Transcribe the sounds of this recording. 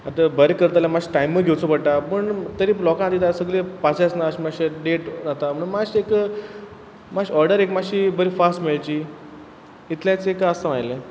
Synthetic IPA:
at̪əbəɾekəɾt̪aljamaɕi̥ʈaimːəɡʱewt͡sopəɽʈapəɳt̪əɾiːlɔkãnat̪it̪asəɡɭepat͡sasnaəɕmaɕeɖeʈnat̪am̤əɽunmaɕek | maɕɔɾɖəɾekmaɕiːbəɾifasʈmeɭt͡ɕiː | it̪ljãt͡sekaəsaʋajle

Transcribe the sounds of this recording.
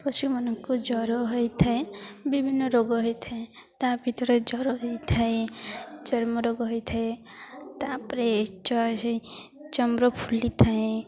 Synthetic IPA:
pɔsumɔnɔŋkud͡ʒɔɾɔɦɔjt̪ʰaebibʱinːɔɾoɡɔɦɔjt̪ʰae | t̪abʱit̪ɔɾed͡ʒɔɾɔɦjt̪ʰaed͡ʒʌɾmɔɾoɡɔɦɔjt̪ʰae | t̪apɾet͡ʃɔ | t͡ʃɔmɾɔpʰulit̪ʰaẽ

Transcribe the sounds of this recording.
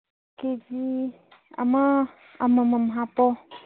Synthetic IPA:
ked͡ʒi | a̰ma | amaməmɦapɔ

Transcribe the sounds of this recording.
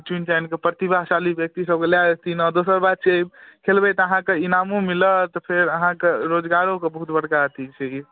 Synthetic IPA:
d͡ʒunt͡ʃankepɾət̪ibʱaɦsalibjək̚t̪isəb̚keljaest̪inɔd̪osəɾbad̪̚t͡ʃʰekʰelbɛt̪ɔəɦãkeinamũmilət̪ɔpʰeɾəɦãkeɾod͡ʒɡaɾokebəɦut̪bəɽ̤kaət̪it͡ʃʰɛki

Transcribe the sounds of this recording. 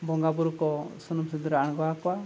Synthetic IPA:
bɔŋɡabuɾukɔsunumsid̪uɾaʔaɳɡɔakɔwa

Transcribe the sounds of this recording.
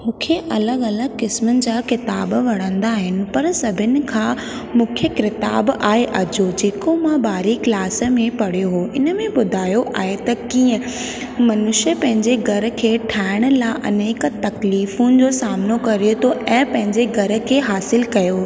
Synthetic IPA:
mũːkʰeʔɐləɡɐləɡkɪsmʊnɪ̆d͡ʑaːkɪt̪aːbʋɐɽ̃ə̃nd̪aːɦɪnɪ̆pɐɾsɐbʱɪnɪ̆kʰãː | mũːkʰəkɾɪt̪a̰ːbaːeʔɐd͡ʑod͡ʑeːkomãbaːɾiklaːs̆mẽpɐɽ̤ioɦoːʔɪnə̆mẽbʊd̪ʱaːjoʔaːɦet̪ɐkiːə̃ | mɐnʊʃəpɐ̃ɦɪ̃ɲd͡ʑeɡʱɐɾə̆kʰeːʈʰaːɪɽ̃̆laːʔɐneːk̆t̪ɐkliːfʊ̃nɪ̆d͡ʑoːsaːmnokɐɾijot̪ʰoʔɛ̃ːpɐ̃ɦɪ̃ɲd͡ʑeɡʱɐɾə̆kʰeːɦaːsɪlkɐjo

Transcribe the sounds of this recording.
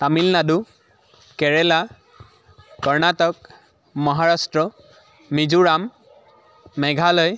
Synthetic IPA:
tamilnadu | kɛɹɛla | kɔɹnatɔk̚ | mɔɦaɹastɹɔ | mizuɹam | ɛɡʱalɔj

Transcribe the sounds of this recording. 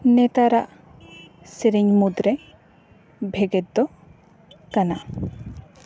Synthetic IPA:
nɛt̪aɾaʔ | siɾiɲmud̪ɾɛ | bʱɛɡɛt̪̚d̪ɔ | kana

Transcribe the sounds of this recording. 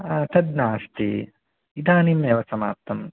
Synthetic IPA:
aːt̪ɐd̪naːst̪ḭ | id̪aːnimːeːʋɐsɐma̰ːp̚t̪ɐm

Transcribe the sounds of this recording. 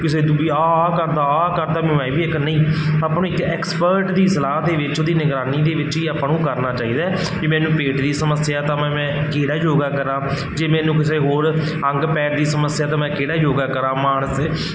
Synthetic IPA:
kɪseːd̪ʊbiaːkəɾd̪aːaːkəɾd̪aːmɛ̃ɛ̃ːbiːɪknəĩːaːpnõːɪkɛːkspəɾʈd̪iːsəlaːd̪eːʋɪt͡ʃoːd̪iːnɪɡɾaːniːd̪eːʋɪt͡ʃiːapɳũːkəɾnaːt͡ʃaːiːd̪aː | d͡ʒiːmɛ̃ːnũːpeːʈd̪iːsəməsjaːt̪ãːmɛ̃ːmɛ̃ːkeːɽaːd͡ʒoːɡaːkəɾãː | d͡ʒeːmɛ̃ːnũːk̬ɪs̬eːɦoːɾ | ə̃ŋɡpɛːɾd̪iːsəməsjaːt̪ãːmɛ̃ːkeːɽaːd͡ʒoːɡaːkəɾãːmaːɳəs

